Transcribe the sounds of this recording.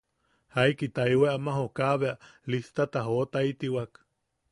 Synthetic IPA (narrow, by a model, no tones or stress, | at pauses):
haikit̪aiweʔamaɦokaβeaʔlist̪at̪aɦot̪ait̪iwak